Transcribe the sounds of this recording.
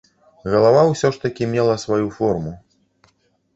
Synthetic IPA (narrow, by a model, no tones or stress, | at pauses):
ɣɐlˠavawsʲɔʂt̪ɐkʲimʲɛlˠɐsvajufɔrmu